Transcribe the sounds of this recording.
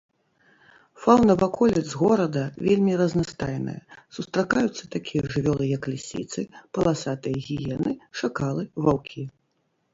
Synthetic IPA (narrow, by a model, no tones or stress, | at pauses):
fawnɐvakɔlʲɛzɣɔɾɐd̪ɐvʲelʲmʲirɐznast̪ajnɨ̰jɐ̰sust̪ɾakajut̪sːɐt̪akʲijɐʐɨvʲɔlˠɨjɐkːlʲisʲḭt̪sɨpɐlˠasat̪ɨjɐɣʲijɛnɨʂakalˠɨvawkʲʰi